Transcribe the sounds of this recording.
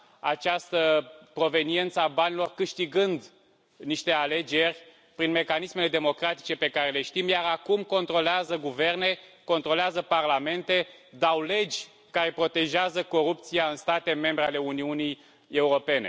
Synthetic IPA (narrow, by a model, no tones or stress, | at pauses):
a̰t͡ʃast̪əpɾo̞ve̞nie̞nt̪səabanilo̞rkɨʃt̪iɡɨnd̪ | niʃt̪e̞ale̞d͡ʒe̞rʲ | pɾinme̞kanisme̞le̞d̪e̞mo̞kɾat̪i̥t͡ʃe̞pe̞kaɾe̞le̞ʃt̪imjaɾakumko̞nt̪ɾo̞leazəɡuve̞rne̞ko̞nt̪ɾo̞leazəparlame̞nt̪e̞d̪awle̞d͡ʒʲ | kaɾe̞pɾo̞t̪e̞ʒeazəko̞ɾup̚t̪sijaɨnst̪at̪e̞me̞mbɾeale̞uniunij | e̞uɾo̞pe̞ne̞̰